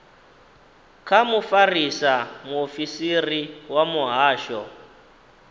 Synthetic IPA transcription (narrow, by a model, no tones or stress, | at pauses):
kʰamufarisamuofisiriwamuɦaːʃɔ